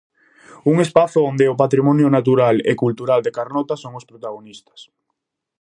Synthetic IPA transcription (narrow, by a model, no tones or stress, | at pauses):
uŋespaθʊond̪eʊpat̪ɾimɔnjʊnat̪uɾalḛkult̪uɾald̪ekaɾnɔt̪asoŋʊspɾot̪aɣonist̪ɐ̥s